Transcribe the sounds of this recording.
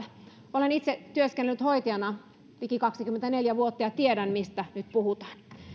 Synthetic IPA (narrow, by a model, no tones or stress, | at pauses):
olenit̪set̪yøskenːelyt̪hoit̪iɑnɑ | ʋikikɑksikyment̪æneljæʋuot̪ːɑjɑt̪iedænmist̪ænyt̪puhut̪ɑ̥ːn